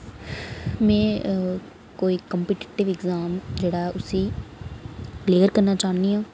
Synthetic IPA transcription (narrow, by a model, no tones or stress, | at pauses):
mɛ̃ː | koːiːkəmpiːʈi̥ʈɪʋɪɡzaːmd͡ʒeːɽaːɛʔʊsiː | leːəɾkəɾnaːt͡ʃaːniːãː